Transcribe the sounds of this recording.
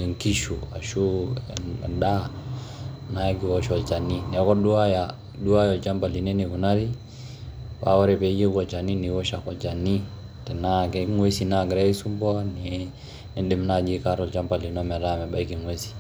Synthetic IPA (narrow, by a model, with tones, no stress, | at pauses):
ɛ˨ŋki˦ʃu˨a˨ʃṵ˦˨ | da˦ | na˦ki˨wɔʃɔ˨lt͡ʃa˨ni˦nɛ˨˦kɔ˦du˦a˦ja˨ | du˦wa˦jɔ˨lt͡ʃa˦mba˨li˨ne˦ni˨ku˨na˦ɾi˦ | wa˦wɔ˦ɾɛ˨pɛ˦je˦ɡɔ˨t͡ʃa˨ni˦ni˨wɔ˦ʃa˨kɔ˨d͡ʒa˨ni˦ | tɛ˨na˦kɛ˦ŋwe˦si˨na˦ɡɾe˦i˦su˦mbɔ˦ni | nɛ˦de˦mnad͡ʒi˦ka˦ɾɔ˨lt͡ʃa˦mba˨li˨nɔ˦mɛ˨ɾa˦mɛ˨ba˦iki˨ŋwe˦si̥˨